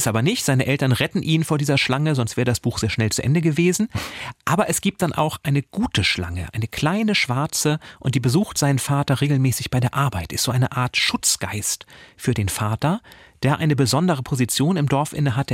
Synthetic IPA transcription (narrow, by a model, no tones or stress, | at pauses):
ɪstʔaːbɐnɪçtz̥aɪnəʔɛltɐnʁɛtn̩ʔiːnfoːɐdiːzɐʃlaŋəzɔnstv̥ɛːʁədasb̥uːxz̥eːɐʃnɛlt͡suʔɛ̰ndəɡəveːzn̩ʔaːbɐʔɛsɡ̥iːp̚t̚d̥anʔa̰ʊxʔaɪnəɡ̥uːtəʃla̰ŋə̰ʔa̰ɪnəkʰl̥aɪnəʃv̥aɐt͡səʔʊntd̥iːbəzuːxtz̥aɪnənfaːtɐʁeːɡl̩mɛːsɪçb̥aɪdeːɐʔaɐbaɪtʔɪ̰stz̥oːʔaɪnəʔaːɐtʃʊt͡sɡ̥a̰ɪstfyːɐdeːnfaːtɐd̥eːɐʔa̰ɪnəbəzɔndəʁ̞əpʰozit͡sjoːnɪmdɔɐfʔɪ̰nəɦatʰ